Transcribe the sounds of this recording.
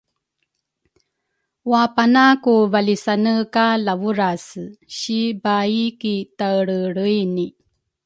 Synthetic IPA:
wapanakuvalisanəkalavuɾasɕibaikitaɭəɭəjni

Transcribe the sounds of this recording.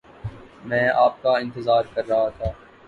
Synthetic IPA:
mɛ̃ːaːp̚kaɪ̃nt̪ɪzaːɾkɐɾːɐɦat̪ʰaː

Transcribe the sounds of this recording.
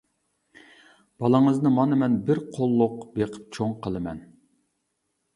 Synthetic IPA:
b̥ɑlˠəŋəznɨmɑnɨmɛnbɪɾqʰolˠːʊqbeqʰə̥p̚t͡ʃʰoŋqʰəlˠɨmɛn

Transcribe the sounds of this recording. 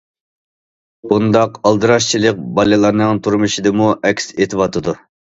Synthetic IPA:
b̥und̪ɑqɑlˠd̪ɨɾɑʃt͡ʃʰilˠəq̚bɑlɨlˠɑɾnɨŋt̪ʰuɾmuʃid̪ɨmuʔɛkʲset̪ʰɨwɑt̪ʰɨd̪u

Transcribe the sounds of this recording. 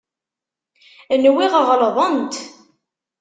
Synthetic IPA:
nwiʁəʁlðˤənt̪

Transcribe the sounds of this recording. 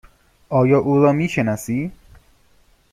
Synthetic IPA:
ʔɒːjɒːʔuːɾɒːmiːʃenɒsiː

